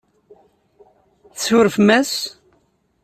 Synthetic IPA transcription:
θəsʊɾəfmæs

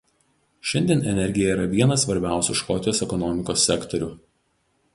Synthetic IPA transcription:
ʃʲɛnʲd̪ʲiɛnɛnʲɛɾʲɡʲɪjɛiːɾɐʋʲiɛnɐsʋɐɾʲbʲæˑʊsʲuʃkɔt̪ʲɪjoːsɛkɔnɔmʲɪkoːsʲːɛkt̪ɔɾʲu

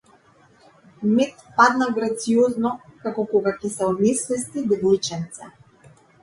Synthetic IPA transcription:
mɛt̪pad̪naɡɾat̪siɔznɔkakɔkɔɡacɛsɛɔd̪nɛsvɛst̪id̪vojt͡ʃɛnt̪sɛ

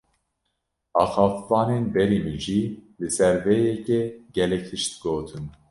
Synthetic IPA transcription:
ɑːxɑːfvɑːneːnbɛɾimiʒilɨsɛɾvɛjɛcɛɡ̥ɛlɛk̚ʰt̪ʰɨʃt̪ɡoːt̪ʰɨn

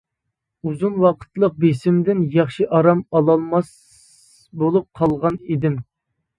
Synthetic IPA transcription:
uzunwɑqʰə̥t̪lˠəq̚besɪmd̪ɪnjɑχʃiʔɑɾɑmɑlˠɑlˠmɑs | bolˠup̚qʰɑlˠʁɑnid̪ɪm

